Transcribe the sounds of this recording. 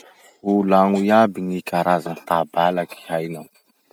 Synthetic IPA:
ulaŋujabiŋikʲaɾazanit̪abalaki̥hajnaw

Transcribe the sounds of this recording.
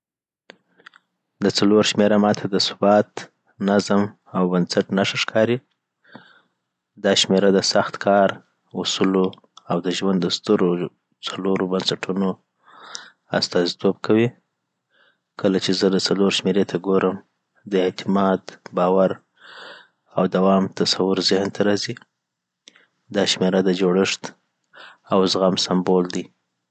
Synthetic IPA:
d̪ət͡saloɾʃmeɾamɑt̪ʰad̪əsʊbɑt̪ | nazəm | awbansaʈnaʂaʂkʰɑɾi | d̪ɑʃmeɾad̪əsaxt̪kʰɑɾ | usulo | awd̪əʒwand̪ːəst̪əɾo | t͡saloɾobansaʈʰuno | a̰st̪ɑzit̪ob̚kʰawi | kəlat͡ʃezəd̪ət͡saloɾʃmeɾet̪ʰaɡoɾəm | d̪əɪt̪ɪmɑd̪bɑwaɾ | awd̪awɑmt̪asawʊɾzɪhnt̪ʰaɾɑzi | d̪ɑʃmeɾad̪əd͡ʒoɽɪʂt̪ | awzɣamsambold̪i

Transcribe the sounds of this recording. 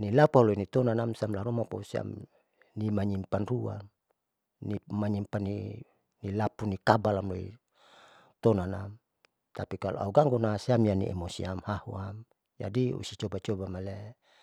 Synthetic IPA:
nilapualoinit̪ɔnanamsamlaɾumapa̰usia̰m | nimaɲimpanrua̰n | nimaɲimpani | nilapunikabalamloḭ | t̪ɔnanam | t̪apikalo̰ʔa̰uɡaŋɡonasiamjanḭḛmosiamhahṵam | d͡ʒa̰diṵsit͡ʃɔbat͡ʃɔbamalɛ

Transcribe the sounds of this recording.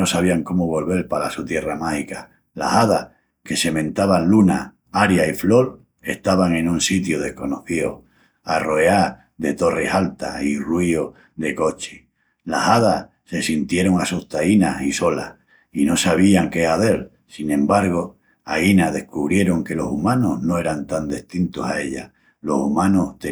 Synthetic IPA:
o̞saβ̞iaŋko̞moβo̞lβe̞lpalasut̪jeramahika | la̰saðah | ke̞se̞mẽ̞nt̪aβanluna | aɾjaiflo̞ɾ | e̞ht̪aβaŋẽ̞nũnsit̪joð̞e̞hko̞noθio̰ | aro̞ea | ðe̞t̪o̞re̞halt̪airwio | ðe̞ko̞t͡ʃe̥ | lasaðah | se̞sint̪je̞ɾo̞ŋasuht̪ainasiso̞la̰h | ino̞saβ̞iaŋke̞aθe̞ɾ | sinẽ̞mbaɾɣo̞ | ainaðe̞hkuβɾje̞ɾo̞ŋke̞lo̞sumãnoɦno̞e̞ɾant̪and̪e̞ht̪int̪osae̞ʎa̰ | lo̞sumãnoht̪

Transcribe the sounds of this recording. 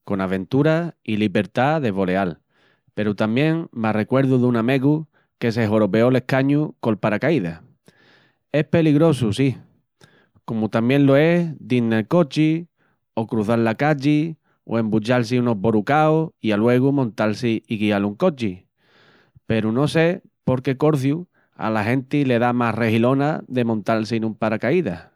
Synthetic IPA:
ko̞naβẽ̞nt̪uɾailiβe̞ɾt̪aðe̞βo̞le̞al | pe̞ɾut̪amje̞ŋmare̞kwe̞ɾðuðuname̞ɣu | ke̞s̬e̞ɦoɾo̞pe̞o̞le̞hkaɲuko̞lpaɾakaiða | e̞pe̞liɣɾo̞susi | ko̞mut̪amjẽ̞nlo̞e̞hd̪inːelko̞t͡ʃi | o̞kɾuθallakaʎi | o̰e̞mbut͡ʃals̬iuno̞ɦβo̞ɾukaoialwe̞ɣ̞umõnt̪alsiiɣialuŋko̞t͡ʃi | pe̞ɾuno̞se̞ | po̞ɾke̞ko̞ɾθju | a̰laɦe̞nt̪ile̞ðamasre̞hilo̞naðe̞mõnt̪alsinũmpaɾakaiða

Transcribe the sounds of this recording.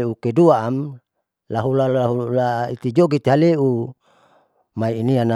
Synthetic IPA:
eukeduaːm | laɦulaaɦulait̪id͡ʒoɡit̪iɦaleʔu | maiːniana

